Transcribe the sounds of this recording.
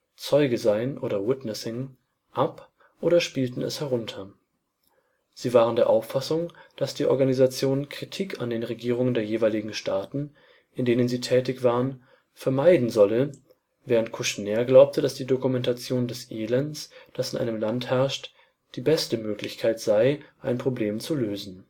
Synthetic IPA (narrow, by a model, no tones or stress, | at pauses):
t͡sɔʏɡəzaɪənʔoːɾɐwɪtnɛsɪŋ | ʔap | ʔoːɾɐʃpiːltn̩ɛ̰shɛʁ̞ʊntʰɐ | z̥iːvaːʁəndeːɐʔaʊfasʊŋd̥asd̥iːʔɔ̰ɐɡanizat͡sjoːnkʁ̥itʰiːkʰa̰ndeːnʁeɡiːʁ̞ʊŋəndeːɐjeːvaɪlɪɡŋ̩ʃtaːtn̩ | ʔɪndeːnənziːtʰɛːtɪçv̥aːʁən | fɛɐmaɪdn̩zɔlə | vɛːʁ̞əntkʰuʃnɛːɐɡlaʊp̚tʰəd̥asd̥iːdokumɛntat͡sjoːndɛsʔeːlɛnsd̥asɪnʔa̰ɪnəmlanthɛɐʃt | d̥iːbɛstəmøːklɪçkʰaɪtz̥aɪʔaɪnpʁ̥obleːmt͡suløːzn̩